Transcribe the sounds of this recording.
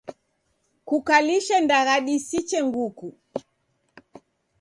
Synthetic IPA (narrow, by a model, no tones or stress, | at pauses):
kukaliʃɛndaɣaɗisit͡ʃɛŋɡuku